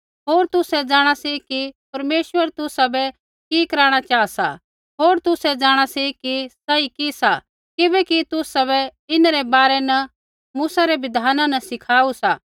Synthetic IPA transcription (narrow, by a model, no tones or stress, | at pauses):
ɦoːɾt̪ʊsɛd͡ʒaːɽ̃asikipɐɾmeːʃʋəɾt̪ʊsabɛ | kikɐɾaːɽ̃at͡ʃaːsa̰ | ɦoːɾt̪ʊsɛd͡ʒaːɽ̃asikisaikisa | kɪbɛkit̪ʊsaβɛɪnɾɛbaːɾɛnɐ | muːsaɾeʋɪd̪ʱaːnãnɐsɪkʰaːusaː